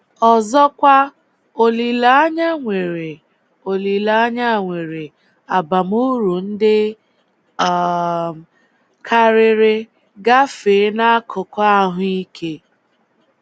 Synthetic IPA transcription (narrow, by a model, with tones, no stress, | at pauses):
ɔ˨zɔ˦kʷa˦ | o˨li˨la˨a˦ɲa˦ŋʷe˨ɾe˨ | o˨li˨la˨a˦ɲa˦˨ŋʷe˨ɾe˨ | a˨ba˨mu˦ɾu˨n̩˦dɪ˦˨ | kʰa˦ɾɪ˦ɾɪ˦ | ɡa˦feː˨˦na˦a˦kʰʊ˨kɔ˦a˦ɦʊ˦i˦kʰe˦